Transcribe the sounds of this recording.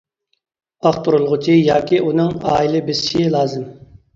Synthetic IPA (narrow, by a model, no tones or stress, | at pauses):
ɑχt̪uɾulˠʁʊt͡ʃʰijɑːkʲʰiʔunɨŋɑːilɪbɪzʃilˠɑːzɨm